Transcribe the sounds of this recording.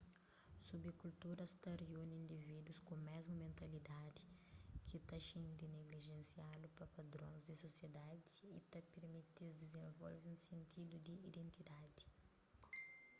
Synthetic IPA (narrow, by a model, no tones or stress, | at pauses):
subikult̪uɾɐst̪ɐreunĩnd̪ivid̪uskõmɛzmɐmẽnt̪ɐlid̪ad̪i̥kit̪ɐʃĩnd̪ineɡliʒẽnsialupɐpɐd̪ɾõ̰nzd̪isosjed̪ad̪iit̪ɐpeɾmit̪izd̪izẽnvɔ̰lviũsẽnt̪ʰid̪ud̪iid̪ẽnt̪id̪ad̪i̥